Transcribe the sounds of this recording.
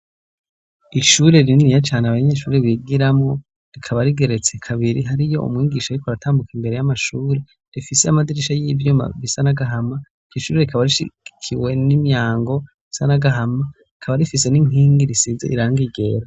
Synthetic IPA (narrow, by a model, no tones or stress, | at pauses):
iʃuːɾe̞ɾininijat͡ʃaːneaβaɲe̞ːʃuːɾeβiɡiɾamŋo̞ | ɾikʰaβaɾiɡe̞ɾe̞t͡se̞kʰaβiɾiɦaɾijo̞̰ṵmŋiːɡiʃajikoɾatʰaːmbukimbe̞ɾe̞jamaʃuːɾe̞ | ifiseamadiɾiʃajivjuma̰βisanaɡaɦama | iʃuːɾeɾikaβaɾiʃḭkʰiwe̞nimjaːŋɡo̞ | βisanaɡaɦama | ikʰaβaɾifise̞niŋ̥iːŋɡiɾisizeʔiɾaːŋɡiɡe̞ɾa